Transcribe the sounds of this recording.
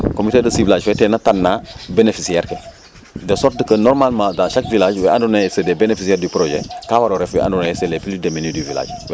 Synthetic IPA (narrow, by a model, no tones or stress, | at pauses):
komitedɐsivilaːd͡ʒfɛtɛnɐtanːaːbenefisiɛɾke | dɛsɔt̚dəkɐnɔɾmalmãdaʃakvilaːd͡ʒwɛʔandunajɛsədɛbenefisiɛːɾdipɾoʒɛ̰kawaɾoɾɛfwɛ̰ʔa̰ndunaɛsɛlepilideminidivila̰ːd͡ʒw